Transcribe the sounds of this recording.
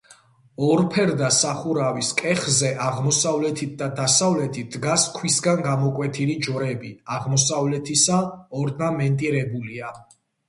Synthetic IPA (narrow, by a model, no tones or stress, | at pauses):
ɔɾpʰɛɾd̪asaχuɾaviskʼɛχzɛʔaʁmɔsavlɛt̪ʰit̪̚ʰd̪ad̪asavlɛt̪ʰit̪̚ʰd̪ɡaskʰwisɡanɡamɔkʼwɛt̪ʰilid͡ʒɔɾɛbiaʁmɔsavlɛt̪ʰisaɔɾnamɛnt̪ʼiɾɛbulia